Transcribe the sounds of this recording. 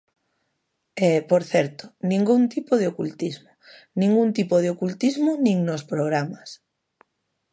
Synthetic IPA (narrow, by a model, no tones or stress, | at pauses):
ɛpoɾθɛɾt̪o̥nĩŋɡuŋt̪ipoðeokult̪izmo | nĩŋɡuŋt̪ipoð̞eokult̪izmonĩŋnospɾoɣɾamas